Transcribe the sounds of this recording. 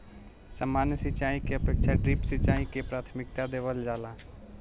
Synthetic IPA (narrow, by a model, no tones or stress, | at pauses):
səmːaːnjəsɪt͡ʃaːikeəpeːkt͡ʃʰaɖɾɪpsɪt͡ʃaːikepɾaːt̪ʰmɪk̚t̪ad̪eːʋəld͡ʒaːla